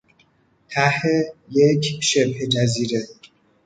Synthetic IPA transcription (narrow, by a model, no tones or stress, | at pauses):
t̪ʰæhejecʰʃebhed͡ʒæziːɾe